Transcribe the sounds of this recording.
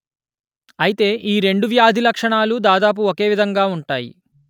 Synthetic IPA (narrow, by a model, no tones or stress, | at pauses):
ɐjit̪e̞ːʔiːɾe̞ɳɖuʋjaːd̪ʱilɐkʂɐɳaːlud̪aːd̪aːp̬uoke̞ːʋid̪ʱɐŋɡaːuɳʈaːjḭ